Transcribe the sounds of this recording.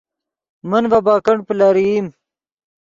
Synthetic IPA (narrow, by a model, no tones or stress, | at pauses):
mɐnvabaːkɐɳ̚pəlaɾim